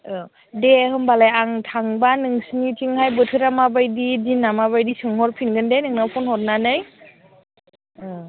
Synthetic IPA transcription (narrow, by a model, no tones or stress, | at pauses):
ɯ | dehɯmbalajaŋtʰaŋbanɯŋsɯnitʰiŋhajbɯtʰɯɾamabajdidinːamaβajdisɯŋɦɔɾpʰinɡɯndejnɯŋnapʰɔnhɔt̚nanɯj